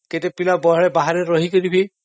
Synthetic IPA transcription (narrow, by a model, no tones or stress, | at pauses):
ketepilabɔɦɭebaɦaɾeɾɔɦikɔɾibʱi